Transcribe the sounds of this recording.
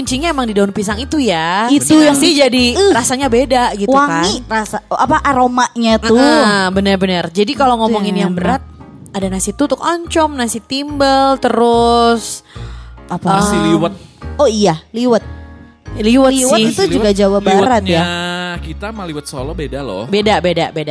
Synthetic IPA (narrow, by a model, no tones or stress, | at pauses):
əɲt͡ʃiɲaemaŋdidaʊnpisaŋit̪ujait̪ujasɪhd͡ʒadirasaɲabedaɡitw̪uaŋkanirasaapaʔaɾomaʔɲatuəbənərbənərd͡ʒadikaloŋɔmɔŋɪnjaŋbəɾat̪̚ | adanasit̪ut̪ʊkɔɲt͡ʃɔmnasit̪imbəlt̪əɾʊs | ʔapaəasiliwət̪̚oijaliwat̪̚ | liwatiswaɪt̪ud͡ʒuɡad͡ʒawabaɾat̪jakit̪amaliwat̪̚so̰lɔbedalɔ̰bedabedabeda